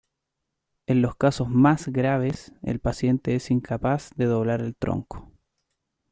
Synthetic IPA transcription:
e̞nlo̞skasozmazɣɾaβ̞esḛlpasje̞nt̪eesiŋkʰapazðeðoβlaɾelt̪ɾo̰ŋko̥

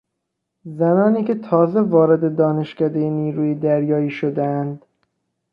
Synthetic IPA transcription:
zænɒːniːcʲʰet̪ʰɒːze̞vɒːɾe̞d̪e̞d̪ɒːne̞ʃcæd̪ejeniːɾuːjid̪æɾjɒːiːʃod̪eænd̪

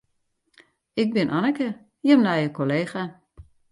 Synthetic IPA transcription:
ɪk̚bɪnʔanəkə | jəmnajəkoleːxa

